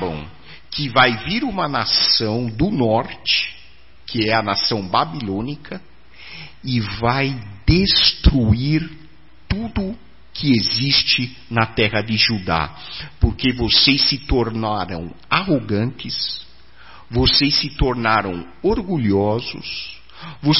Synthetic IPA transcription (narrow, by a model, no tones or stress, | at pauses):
bɐ̰̃w̃ | kɪvajviɾũmɐnasɐ̃w̃d̪ʊnɔɾt͡ʃɪ̥ | kʰɪɛɐnasɐ̃w̃babilõnikʰɐ | ɪvajd̪est̪ɾuiɾ | t̪ud̪ʊ | kʰɪezist͡ʃɪ | nɐt̪ɛʁɐd̪ɪʒud̪a̰poɾkevosejssɪt̪oɾnaɾɐ̰̃w̃aɦoɡɐ̃nt̪ɪs | vosejsɪt̪oɾnaɾɐ̰̃w̃ | oɾɡuʎɔzʊ̰s | vo